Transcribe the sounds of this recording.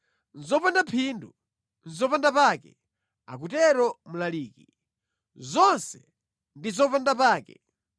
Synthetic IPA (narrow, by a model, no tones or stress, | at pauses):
n̩zɔpandapʰiːndu | n̩zɔpandapaːkɛ̰ | a̰k̬utɛɾɔmulaliːki | zɔnsɛ | ndizɔpandapaːkɛ̰